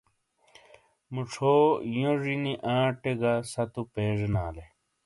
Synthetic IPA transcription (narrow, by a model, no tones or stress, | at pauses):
muʈ͡ʂʰoːjõʐiniʔãːʈeɡasɐt̪upeːʐenaːle